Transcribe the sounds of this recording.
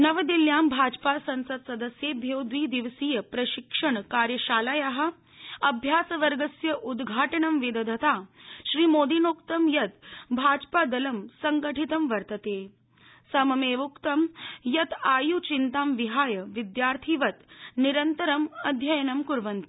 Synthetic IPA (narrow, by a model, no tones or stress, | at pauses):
nɐʋɐd̪iljaːmbʱaːd͡ʒpaːsɐnsɐd̪sɐd̪ɐsjeːbʱjewd̪ʋiːd̪iʋsiːjɐpɾɐʃikʂɐɳkaːɾjɐʃaːlajaɦɐ̆ | ɐbʱjaːsɐʋɐɾɡɐsjɐʔud̪ɡʱaːʈɐɳɐmʋed̪ɐd̪ʱɐt̪aːʃɾiːmoːd̪inoːkt̪ɐmjɐt̪bʱaːd͡ʒpaːd̪ɐlɐmsɐŋɡəʈʰit̪ɐmʋɐɾt̪ɐt̪eː | sɐmɐmeːʋukt̪ɐmjɐt̪aːjut͡ʃint̪aːmʋiɦaːjɐʋid̪jaːɾt̪ʰiːʋɐt̪niɾɐnt̪ɐɾɐmɐd̪ʱjɐjɐnɐmkuɾʋɐnt̪i̥